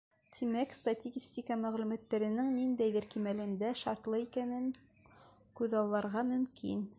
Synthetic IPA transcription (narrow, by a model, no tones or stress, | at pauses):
t̪ʰimækst̪at̪ʲiɡʲisʲt̪ʲikɑmæʁlʉmæt̪ːæɾɘ̆nɘŋnind̪æjðɘɾkimælɘ̆nd̪æʃɑɾt̪lˠɤikænɘŋ | kʉðɑlˠːɑɾʁɑmɵ̆mkḭn